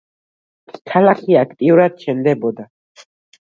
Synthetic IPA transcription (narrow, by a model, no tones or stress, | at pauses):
tʰalaχiakʰt̪ʼiuɾad̪̚t͡ʃʰɛnd̪ɛbɔd̪a